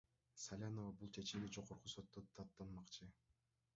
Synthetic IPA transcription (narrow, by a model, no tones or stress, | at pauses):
salʲanovabulˠt͡ʃʰe̞t͡ʃimd̪id͡ʒo̞ʁoɾquso̞t̪ːot̪ʰɑt̪ːɑnmɑqt͡ʃʰɯ